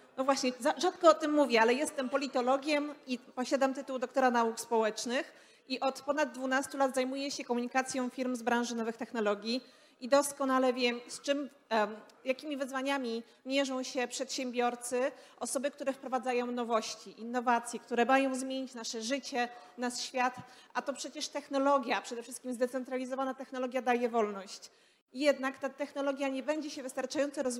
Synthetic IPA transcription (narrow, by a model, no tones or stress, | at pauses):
nɔvwaɕɲɛzaʐat̪kɔɔt̪ɘmːuvʲjɛalɛjɛst̪ɛmpɔlʲit̪ɔlɔɡʲjɛmipɔɕad̪amt̪ɘt̪uwd̪ɔk̚t̪ɔɾanaukspɔwɛt͡ʂnɘx | iʔɔt̪pɔnad̪̚dːvunast̪ulad̪zajmujɛɕɛkɔmuɲikat̪sʲjɔ̃w̃fʲiɾmzbɾãʐɘnɔvɘxt̪ɛxn̪ɔlɔɡʲi | id̪ɔskɔnalɛvʲjɛmst͡ʂɘm | jakʲimʲivɘzvaɲamʲi | mʲjɛʐɔ̃w̃ɕɛpʂɛt̪ɕɛmbʲjɔɾt̪sɘʔɔsɔbɘkt̪uɾɛfpɾɔvad̪zajɔ̃w̃n̪ɔvɔɕt͡ɕiʔinːɔvat̪sʲjɛkt̪uɾɛmajɔ̃w̃zmʲjeɲit͡ɕnaʂɛʐɘt͡ɕɛ | naʂɕfʲjat̪ʔat̪ɔpʂɛt͡ɕɛʂt̪ɛxnɔlɔɡʲjapʂɛd̪ɛfʂɘst̪kʲimzd̪ɛt̪sɛnt̪ɾalʲizɔvanat̪ɛxnɔlɔɡʲjad̪ajɛvɔlnɔɕt͡ɕ | jɛd̪nakt̪at̪ɛxnɔlɔɡʲjaɲɛbɛɲd͡ʑɛɕɛvɘst̪aɾt͡ʂajɔnt̪sɛɾɔz